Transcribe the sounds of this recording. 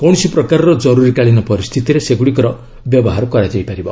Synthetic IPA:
kɔw̃ɔsipɾɔkaɾɔɾɔd͡ʒɔɾuɾikaɭinɔpɔɾist̪ʰit̪iɾeseɡuɽikɔɾɔ | bjɔbɔɦaɾɔkɔɾad͡ʒaipaɾibɔ̰

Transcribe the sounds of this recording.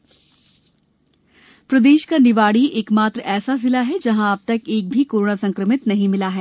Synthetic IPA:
pɾɐd̪eːʃkanɪʋaːɽiʔeːkmaːt̪ɾəɛːsazɪlaɦɛd͡ʒɐɦãɐb̚t̪ɐkeːk̚bʱikoːɾoːɳasɐ̃ŋkɾəmɪt̪nɐɦĩmɪlaɦɛː

